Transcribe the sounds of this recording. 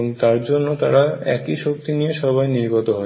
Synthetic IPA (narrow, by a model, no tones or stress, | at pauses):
oŋt̪aɾd͡ʑonːot̪aɾaɛ̰kiʃok̚t̪inijeʃɔβajniɾɡɔt̪oɦɔ